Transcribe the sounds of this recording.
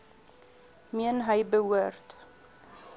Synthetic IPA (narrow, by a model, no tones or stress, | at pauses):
miənɦəjbəwuərt